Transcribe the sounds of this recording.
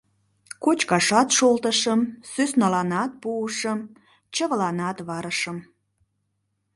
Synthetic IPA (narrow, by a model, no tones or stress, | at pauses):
kot͡ɕkɑʃɑt̪ʃolt̪əʃəmsøsnɑlɑnɑt̪̚puəʃəm | t͡ɕəβəlɑnɑt̪βɑɾəʃəm